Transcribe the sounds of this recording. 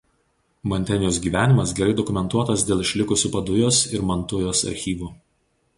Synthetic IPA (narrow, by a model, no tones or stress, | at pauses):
mɔnʲt̪ʲɛnʲɪjoːsɡʲiːʋʲæːnʲɪmɐsɡʲɛɾɐɪd̪ɔkʊmʲɛnt̪uɔt̪ɐs̬d̪ʲeːlˠɪʃʲlʲɪkʊsʲʊːpɐd̪ʊjoːsɪɾmɐnt̪ʊjoːsɐ̰ɾʲxʲiːʋuː